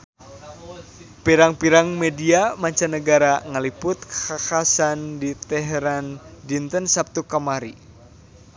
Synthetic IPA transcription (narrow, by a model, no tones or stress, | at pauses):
piɾaŋpiɾaŋmediamaɲt͡ʃanəɡaɾaŋəlipʊt̪̚kə̥kakasandit̪ɛɦeɾandint̪ənsap̚t̪ukamaɾi